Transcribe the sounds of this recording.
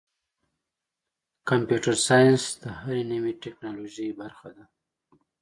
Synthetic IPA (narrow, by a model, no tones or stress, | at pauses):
kampjuʈaɾsɑjansd̪əhaɾeniwiʈeknɑloʒəjbaɾxad̪a